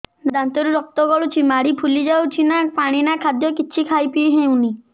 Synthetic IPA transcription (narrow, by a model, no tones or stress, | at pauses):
d̪ant̪ɔɾuɾɔk̚t̪ɔɡɔɭut͡ʃʰimaɽipʰulid͡ʒawt͡ʃʰinapaɽ̃inakʰad̪jɔkiːʃʰikʰajpijɦẽũni